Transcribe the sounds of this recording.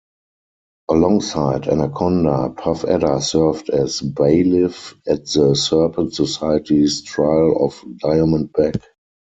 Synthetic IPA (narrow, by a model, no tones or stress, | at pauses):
ʔəlɔ̃ŋsaɪdɛ̰̃nəkʰɔ̃ndəpʰafɛ̰dəsɜ˞vdɛsbeɪlɪfɛt̚ðəsɜ˞pʰə̃ntsɔsaɪətistɹaɪlɔfdaɪəmə̃nt̚bɛk